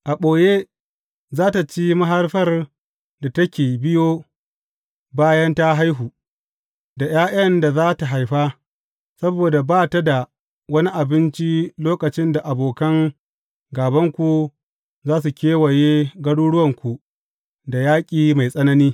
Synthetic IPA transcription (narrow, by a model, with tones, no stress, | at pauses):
ʔa˨ɓoː˨je˦ | zaː˦ta˨t͡ʃi˦ma˦ɦa˦rɸɐ˦r | da˨tɐ˦kʲeː˨bɪ˦joː˦ | baː˦jɐ˦nta˦ɦa˦jɦuː˨ | da˨j̰aː˦ʔɐ˦nda˨zaː˦ta˨ɦa˨jɸa˦ | sɐ˦boː˨da˨baː˦ta˦da˨ | wɐ˦ni˦ʔa˨bɪ˦nt͡ʃi˦loː˦kɐ˨t͡ʃɪ˦nda˨ʔa˨boː˨kɐ˦ŋ | ɡaː˨bɐ˦ŋkʷu˨ | zaː˦su˨kʲeː˦wɐ˨jeː˦ɡɐ˦ɽuː˦ɽʊ˦wɐ˨ŋkʷu˨ | da˨jaː˦kʲʼiː˨ma˨jsʼɐ˦nɐ˦niː˦